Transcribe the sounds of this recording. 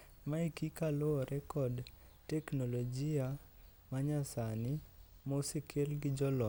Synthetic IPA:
maikikalɔɾɛkɔd | tɛknolod͡ʒia | maɲasanɪmosekʰelɡɪd͡ʒɔlɔ

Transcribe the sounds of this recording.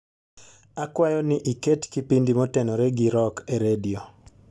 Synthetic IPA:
akwajɔnɪʔiketkipindimɔtɛnɔɾɛɡiɾɔkeɾedio

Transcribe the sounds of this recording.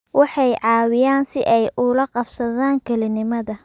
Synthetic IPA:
wʔɑħɑjʕɑːwɪjaːnsɪʔɛjʔʊlɐqɑbsɐðaːŋkʰɛlɪnɪmɐðɐ

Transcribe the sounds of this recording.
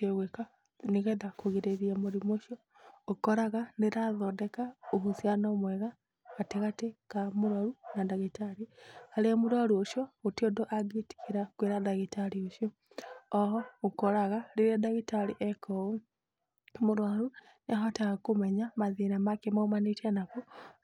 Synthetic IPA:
keɣweka | neɣɛndakoɣiɾeɾiamoɾimoʃjɔ | okɔɾaɣaneɾaðɔdɛkaoɦusjanɔmwɛɣa | ɣateɣatekamoɾwaɾunadaɣitaɾihaleamoɾwaɾuoʃjɔotiodoʔaɡeti̥kiɾakweɾaðaɣitaɾioʃjɔ | ɔɦɔokɔɾaɣaɾeɾadaɣitaɾiʔɛkʰɔo | moɾwaɾu | naɦɔtaɣakomɛɲamaðinamakemaomanitanaku

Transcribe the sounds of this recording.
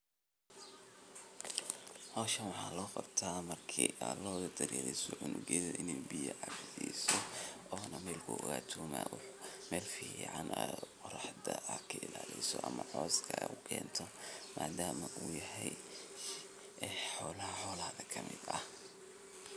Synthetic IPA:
hɔːʃɐnwɑħɑːlɔːqɑb̥t̪ʰaːmɐrkʰiːʔalɔːðɐd̪ɐɾɛːlɛjsɔʕʊnʊɡɛðɐʔɪnɛjbijɐʕɑbdiːsɔʔɔːnɐmɛːlkʰʊʔɔɣaːt̪ʰuːma̰ːwʊħmɛːlfiːʕɑnɛqʊɾɑħd̪ɐʔɐkʰɐɪlaːlɛsɔʔɐmɐʕɔːskʰɐɐʊkʰɛ̰ːnt̪ʰɔmaːd̪aːmɐʔuːjɐɦɛj | ɛħɔːlɐɦɐħɔːlɐhðɐkʰɐmɪd̪ɐh

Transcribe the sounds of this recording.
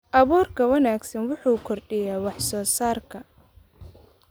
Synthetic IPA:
ʔɐβɔːrkʰɐwɐnaːɡsɐnwʊħuːkʰɔrɖɪjaːwɑħsɔːsaːrkʰɐ

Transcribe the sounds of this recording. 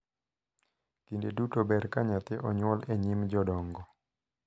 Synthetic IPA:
kindedutɔbɛɾkaɲat̪eʔɔɲwɔlɛɲimd͡ʒɔdɔŋɡɔ

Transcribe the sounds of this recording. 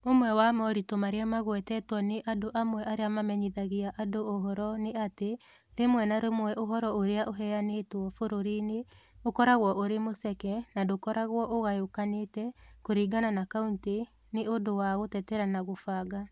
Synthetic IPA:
omwɛwamɔɾitomaɾeamaɣwɛtɛtwɔneʔadoʔamwɛʔaɾeamamɛɲiðaɣeaʔadooɦɔɾɔneate | ɾemwɛnaɾomwɛʔoɦɔɾɔoɾeaʔoɦɛanetwɔfoɾoɾineokɔɾaɣwɔʔoɾemosɛkɛnadokɔɾaɣwɔʔoɣajokanetɛkoɾiːɡananakaunte | neodowaɣotɛtɛɾanaɣofaːɡa

